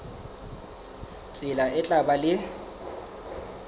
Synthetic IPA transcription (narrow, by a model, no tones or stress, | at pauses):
t͡sʼɪlaʔɪt͡ɬʼabalɪ